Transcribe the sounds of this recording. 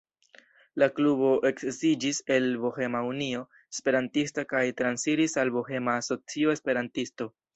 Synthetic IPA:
laklubo̞ʔe̞kzid͡ʒise̞lbohe̞maunio̞ | espe̞ɾantistakajtɾansiɾisalbohe̞maːso̞t͡sio̞e̞spe̞ɾantisto̞

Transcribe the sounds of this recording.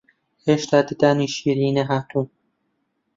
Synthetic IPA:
heʃt̪aːd̪id̪aːniʃiːɾiːneɦat̪ʰu

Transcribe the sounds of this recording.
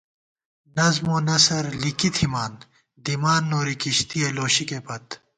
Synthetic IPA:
nɐzmoːnɐsɐɾlikit̪ʰimaːn | d̪imaːnːoːɾikiɕt̪ieloːɕikepɐt̪

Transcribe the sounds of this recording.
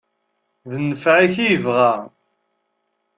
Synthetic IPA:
ðnːəfʕaçijəvʁæ

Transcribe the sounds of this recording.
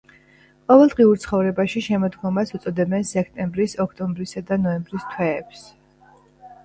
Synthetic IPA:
qʼɔvɛlˠd̪ʁiuɾt̪sʰχɔvɾɛbaʃiʃɛmɔd̪ɡɔmasut̪sʼɔd̪ɛbɛnsɛk̚ʰt̪ʼɛmbɾisɔkʰt̪ʼɔmbɾisad̪anɔɛmbɾist̪ʰwɛːps

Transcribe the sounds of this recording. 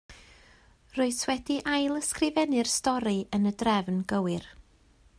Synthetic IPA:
roɨswɛdiʔajlˠəskrɪvɛnɨrstɔɾiənədrɛvnɡəwɪr

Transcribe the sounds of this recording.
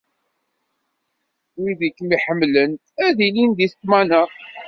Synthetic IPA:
wiðikːmiħəmːlən | æðilind̪iθt̪mænə

